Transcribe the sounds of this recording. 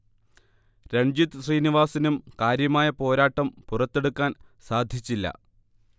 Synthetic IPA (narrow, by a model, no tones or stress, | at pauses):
ɾeɲd͡ʑit̪sriːniʋaːsinumkaːɾjɐmaːjɐpo̞ːɾaːʈːɐmpurɐt̪ːe̞ɽukːaːnsaːd̪ʱjit͡ɕːilːɐ̰